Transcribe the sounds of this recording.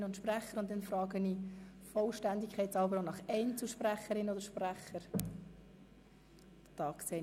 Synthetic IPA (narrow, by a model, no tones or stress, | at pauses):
ʊntʃpræχəɾʊnt̚d̪ɛnfrɑːɡənifɔlʃtænd̪ikχɛɪtsɑlbəɾonɑχɛɪnt͡sl̩ʃpræχəɾɪnodəɾʃpræχəɾ | tɑːksɛɪ